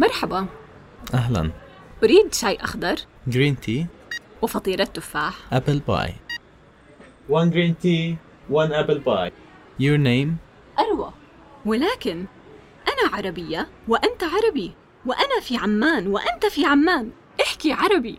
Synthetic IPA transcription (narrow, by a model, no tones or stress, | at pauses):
mɑɾˤħaba | ʔaɦla̰n | baɾiːd̪ʃaːjʔɑ̰xd̪ɑɾˤ | ɡɾiːnt̪ʰiːwɪfɑt̪ˤiːɾˤɑt̪ːʊfaːħʔapɪlba̰j | wanɡɾiːnt̪iː | wanʔaplbaj | jʊɾneːm | ʔɑɾˤwa | wɪlaːkɪn | ʔanaʕɑɾˤɑbɪjːawɪʔant̪aʕɑɾˤɑbi | wɪʔanafiʕamːaːnwɪʔɪnt̪afiʕamːaːn | ʔɪħkiʕɑɾˤɑbi